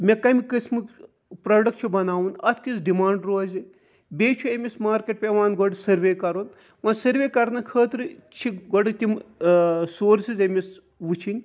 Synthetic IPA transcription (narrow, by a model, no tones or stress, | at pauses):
mʲekɐmʲikɨsmɨk | pɾɐːɖɐk̚ʈ̚t͡ʃʰubɐnaːwunɐt̪ʰkisɖimaːɳɖɾoːzi | bʲeːt͡ʃʰuemʲismaːɾkʲeʈ̚pʲeʋaːnɡɔɖsɐɾʋeːkɐɾun | ʋɐ̃ːnsɐɾʋʲeːkɐɾnɐkʰəːt̪ɾɨt͡ʃʰiɡɔɖɨt̪ʲim | soːɾsizemʲis | ʋut͡ʃʰinʲ